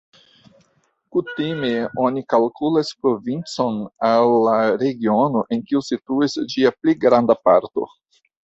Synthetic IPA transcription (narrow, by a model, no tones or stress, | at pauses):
kutime̞o̞nikalkulaspɾo̞vint͡so̞nalːaɾe̞ɡiono̞ʔe̞nkiusituisd͡ʒiapliɡɾandapaɾto̞̰